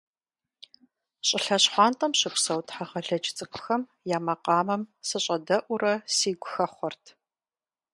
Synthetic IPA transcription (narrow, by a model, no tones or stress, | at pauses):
ɕʼɪɬɐɕħʷɑːntʼɐmɕɪpʷsɐwtʰʼħaʁɐɮɐt͡ʃʼɪt͡sʼɨkʷʼʰʊ̥xɐm | jaːmɐqɑːmɐmsɨɕʼɐdɐʔʷʊɾɐsiːɡʷʊxɐχʷɔrtʰ